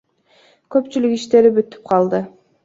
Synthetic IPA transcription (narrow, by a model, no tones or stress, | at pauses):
kø̞pt͡ʃylykiʃt̪e̞ɾibyt̪ːy̥p̚qʰɑlˠd̪ə